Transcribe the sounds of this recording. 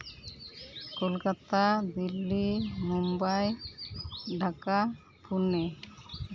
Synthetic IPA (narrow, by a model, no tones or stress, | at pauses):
kolkat̪ad̪ilːimumbaj | ɖʱaka | pʰune